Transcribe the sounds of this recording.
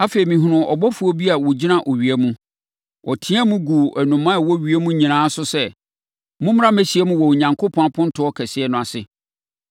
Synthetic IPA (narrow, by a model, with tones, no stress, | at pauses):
a˦feː˨i˨mĩ˨ɦʊ˨nʊ̃˨ʔɔ̰˨bɔ˦fu˨˦ɔ˦bi˦a˨wɔ˨d͡ʑi˦nã˦ʔɔ˨ɥi˨æ˦mũ˦ | wʔɔ˨tʰɪ̃˦ã˦mũ˦ɡu˨æ˨nũ˨mã˦˨wɔ˦ɥi˨e˦mũ˦ɲĩ˨nãː˨˦sʊ˦sɛ˦ | mʊ̃˦m˦ɾã˦mæ˦ɕi˨ɛ˦mũ˦wɔ˨wo˨ɲã˨ŋkʰo˦pʰɔ̃˦a˨pʰɔ̃˦n˦tʰʊ˦ɔ˦kʰɛ˨sɪ˨ɛ˦nʊ̃˨a˨sɪ˨